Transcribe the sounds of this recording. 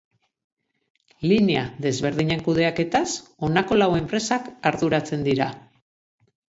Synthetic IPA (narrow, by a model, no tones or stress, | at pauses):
linea̰ðe̞zβe̞ɾðiɲe̞ŋkuð̞e̞ake̞t̪aso̞nako̞lawe̞mpɾe̞sakaɾðuɾat͡se̞nd̪iɾa